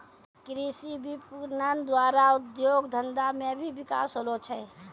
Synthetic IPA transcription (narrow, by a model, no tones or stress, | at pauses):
kɾisibipuɾnənd̪waɾaud̪joɡd̪ʱənd̪amebʱibika̰sɦolot͡ʃʰɛ